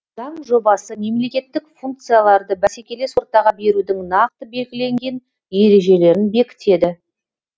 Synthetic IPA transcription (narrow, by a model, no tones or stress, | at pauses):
zɑɴʒo̞bɑsəme̞mle̞kʲe̞t̪ːɪkfuŋk̚t̪sɨjalˠɑɾd̪əbæse̞kʲe̞le̞swo̞ɾt̪ɑʁɑbe̞ɾud̪ɪŋnɑq̚t̪əbe̞lɡʲɪle̞ŋɡʲe̞n | je̞ɾe̞ʒe̞le̞ɾɪnbe̞kʲɪ̥t̪e̞d̪ɪ